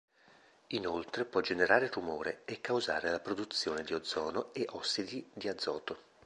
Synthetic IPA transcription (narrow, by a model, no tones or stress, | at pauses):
inolt̪ɾepwɔd͡ʒeneɾaːɾerumoːɾeekːawza̰ːɾelapɾod̪ut̪sːjoːned̪iod̪zːɔːnoeʔɔsːid̪id̪iad̪zːɔːt̪o